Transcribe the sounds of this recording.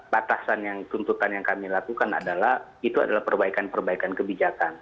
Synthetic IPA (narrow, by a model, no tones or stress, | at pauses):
pat̪asanjaŋt̪unt̪ut̪anjaŋkamilakukana̰dalah | it̪ua̰dalahpərbaikanpərbaikankəbid͡ʒakan